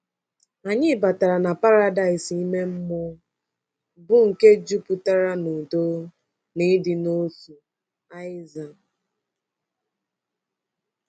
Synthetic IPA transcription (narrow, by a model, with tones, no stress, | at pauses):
a˨ɲɪ˦ba˨ta˨ɾa˨na˨pa˦ɾa˦da˨ɪ˨si˦me˦m̩˦mʊ˦ | bʊ˦ŋ̩˨ke˦d͡ʒu˦pʊ˨ta˦ɾa˦no˨do˦ | nɪ˦dɪ˨no˦tu˨ | a˦ɪ˦za˨